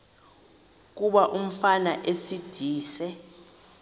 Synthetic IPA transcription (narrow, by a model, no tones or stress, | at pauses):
k̬uɓaʔum̩fanaʔesid̥ʱiːsɛ